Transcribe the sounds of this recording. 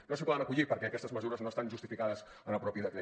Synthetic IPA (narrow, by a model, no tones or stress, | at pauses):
nosipɔðənəkuʎipəɾkɛəkɛst̪əzməzuɾəznoəst̪anʒust̪ifikaðəz | ənəpɾɔpiðəkɾe